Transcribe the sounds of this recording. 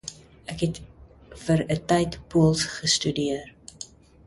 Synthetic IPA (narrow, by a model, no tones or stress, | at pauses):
ækɦɛt | fəɾətɛjtpuəlˠsχəstydiər